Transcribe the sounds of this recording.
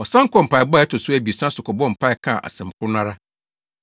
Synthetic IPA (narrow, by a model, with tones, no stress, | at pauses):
ɔ˨sã˦ŋ̩˦kʰɔ˦m̩˨pa˨ɪ˨ba˦˨ɛ˦tʰʊ˨sʊ˦æ˨bi˨sã˦sʊ˨kʰɔ˨bɔ̃˦m̩˨pʰa˦ɪ˦kʰã˦˨ʔa̰˨sɪ̃˨m˨kʰʊ˦nã˦ɾa˦